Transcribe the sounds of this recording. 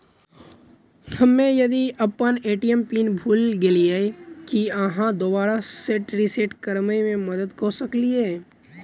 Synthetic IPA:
hɐmːẽjɐd̪iɐpːəneːʈijempiːnbʱuːlɡeliekiəɦãd̪obaːɾaseʈɾiseːʈkəɾmemẽmɐd̪əd̪kosəkliɦɛː

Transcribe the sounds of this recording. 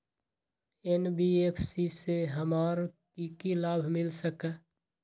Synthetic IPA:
enbiepʰsiseɦəmaːɾkikilaːbʱmɪlsəkː

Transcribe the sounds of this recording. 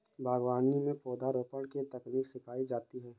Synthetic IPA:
bʱaːɡwaːnimẽpɔːd̪ʱaɾoːpəɽ̃kit̪ɐkniːksɪkʰaːid͡ʒaːt̪iɦɛː

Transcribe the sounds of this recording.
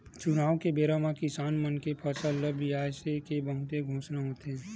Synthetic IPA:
t͡ʃʊnaːʋkebeːɾaːmãkɪsaːnmənkepʰɐsələbʱiaːsekebəɦʊt̪eɡʱõːt͡ʃnaɦoːt̪eɦɛ̃ː

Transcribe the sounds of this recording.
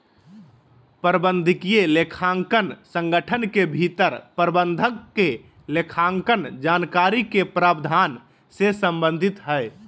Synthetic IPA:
pəɾbənd̪ʱɪkijelekʰaŋkənsə̃ŋɡəʈʰənkebʱit̪əɾpɾbənd̪ʱəkːe | lekʰaŋkənd͡ʒaːnkaɾikepɾaːbd̪ʱaːn | sesəmbənd̪ʱit̪ɦəe

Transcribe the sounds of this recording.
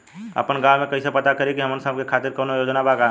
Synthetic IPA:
ə̰pənɡaːmẽkɐisepɐt̪akəɾikiɦəmənsə̃bkekʰaːt̪iɾkoːnojoːd͡ʒnabaːɡa

